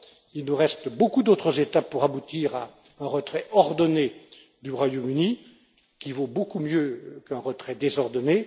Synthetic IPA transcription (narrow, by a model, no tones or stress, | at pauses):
ilnuʁɛst̪bokud̪ot̪χəzet̪apːuʁabut̪iːʁa | ɛ̃ʁət̪χɛʔɔʁd̪ɔne | d̪yʁwajomyni | kʲivobokumjøkɛ̃ʁət̪χɛd̪ezɔʁd̪ɔne